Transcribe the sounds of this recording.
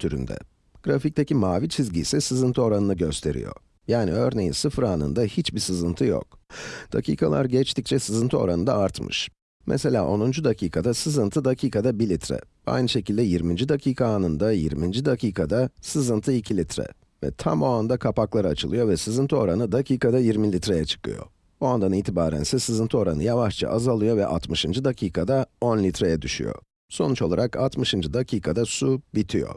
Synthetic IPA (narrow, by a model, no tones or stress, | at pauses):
t̪ʰyɾy̰nd̪ɛ̰ | ɡ̥ɾafic̚t̪ʰecimaːvit͡ʃʰizɟḭːsɛsɯzɯnt̪ʰɯo̞ɾanɯnɯɟø̞st̪ʰe̞ɾḭjo̞̰ | jaːniø̞ɾne̞jinsɯfɾaːnɯ̰nd̪ahit͡ʃbisɯzɯnt̪ʰɯjo̰k̚d̪̥a̰cʰḭːkʰalˠa̰ɾɟɛt͡ʃt̪ʰict͡ʃʰɛsɯzɯnt̪ʰɯo̞ɾanɯnd̪aaɾt̪mɯ̰ʃ | mɛ̰se̞lʲaːʔo̞nund͡ʒud̪acʰiːkʰad̪asɯzɯnt̪ʰɯd̪acʰiːkʰad̪abilʲit̪ʰɾɛ̰ | a̰jnɯʃe̞cilʲd̪ɛjiɾmind͡ʒid̪acʰiːkʰaːnɯnd̪ajḭɾmind͡ʒid̪acʰiːkʰad̪asɯzɯnt̪ʰɯicʰilʲit̪ɾɛ̰ | vɛ̰t̪ʰa̰moand̪akʰapaklˠaɾat͡ʃʰɯlˠɯjo̞vɛsɯzɯnt̪ʰo̞ɾanɯd̪acʰiːkad̪ajiɾmilʲit̪ɾejɛt͡ʃʰɯ̥kʰɯ̰jo̰ | buand̪aniːt̪ʰibaːɾæ̰nsɛsɯzɯnt̪ʰɯo̞ɾa̰nɯ̰javaʃt͡ʃʰa̰ʔazalˠɯjo̞vɛ̰ʔa̰t̪ʰmɯʃɯnd͡ʒɯd̪acʰiːkʰad̪ao̞nlʲit̪ʰɾejɛd̪yʃy̰jo̞̰ | so̞nut͡ʃo̞lˠaɾakʰat̪mɯʃɯnd͡ʒɯd̪acʰiːkʰad̪asubit̪ʰijo̞̰